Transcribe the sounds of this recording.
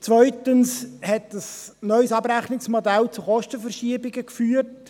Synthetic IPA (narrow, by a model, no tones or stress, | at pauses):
t͡sʋœʏtənshɛtəsnœʏsɑbɾæχnɪksmodælt͡suχɔʃtəfərʃiəbɪɡəkfyːərt